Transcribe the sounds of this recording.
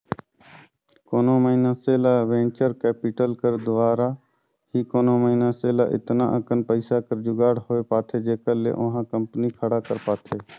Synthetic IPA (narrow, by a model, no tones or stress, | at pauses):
koːnoːməɦiːnãːseːlaːʋẽːnt͡ʃəɾkɛːpɪʈəlkəɾd̪ʊʋaːɾaː | hiːkoːnõːməɦiːnãːseːla̰ːʔɪ̰t̪nã̰ːʔəkənpəɪsaːkəɾd͡ʒʊɡaːɽhoːeːpaːt̪ʰeːd͡ʒeːkəɾlḛːʔʊ̃ɦãːkəmpnikʰəɽaːkəɾpaːt̪ʰeː